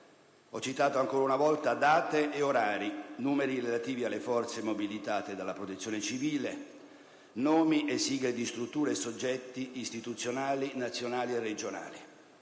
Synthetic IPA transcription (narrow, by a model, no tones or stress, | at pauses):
ɔt͡ʃːit̪aːt̪oaŋkoːɾaunavɔlt̪ad̪aːt̪eʔːoɾaːɾinuːmeɾiɾelat̪iːvialːefɔrt̪semobilit̪aːt̪ed̪alːapɾot̪et̪sːjonet͡ʃiviːle | nɔːmiʔesːiːɡled̪ist̪ɾut̪ːuːɾesod͡ʒːɛt̪ːiʔːst̪it̪ut̪sːjonaːlinat̪sːjonaːliered͡ʒona̰ːli